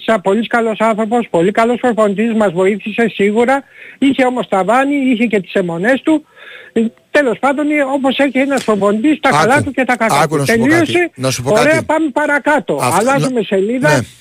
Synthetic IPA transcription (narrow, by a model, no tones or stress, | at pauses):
sɐpo̞liskɐlo̞sɐnθɾo̞po̞spo̞likɐlo̞sfɾopo̞nd̪ismɐzvo̞iθise̞siɣuɾɐiçe̞o̞mo̞st̪ɐvɐniiçe̞ce̞t̪i̥se̞mo̞ne̞st̪u | t̪e̞lo̞spɐnd̪o̞no̞po̞se̞çeenɐsfɾopo̞nd̪ist̪ɐkɐlɐt̪uce̞t̪ɐkɐkɐt̪ut̪e̞lio̞se̞nsupoɾe̞ɐpɐmepɐɾɐkɐt̪o̞ɐlɐzome̞se̞liðɐ